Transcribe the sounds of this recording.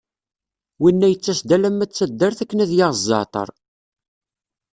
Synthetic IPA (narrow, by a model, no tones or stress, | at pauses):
winːæjət͡sːæsd̪ælæmːæt͡sːæd̪ːəɾθækːənæðjɑʁzˤːɑ̰t̪ˤə̰ɾˤ